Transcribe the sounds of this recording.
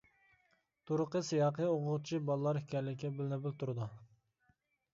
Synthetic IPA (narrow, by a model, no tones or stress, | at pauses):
t̪ʰuɾʊqəsɨjɑːqəoʁʊʁt͡ʃʰibɑlˠəlˠɑɾhikʲɛɾlɪkʲːɛbɪlɪnɪbɪlt̪uɾɨd̪u